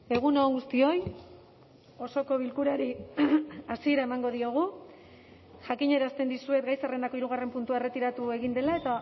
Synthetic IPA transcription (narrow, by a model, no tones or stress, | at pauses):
e̞ɣ̞unoːŋɡust̪io̞j | o̞so̞ko̞β̞ilkuɾaɾi | asie̞ɾae̞maŋɡo̞ðio̞ɣ̞u | ʝakiɲe̞ɾast̪e̞nd̪isue̞t̪ɡajsare̞nd̪ako̞iɾuɣ̞are̞mpunt̪uaere̞t̪iɾat̪ue̞ɣind̪e̞lae̞t̪a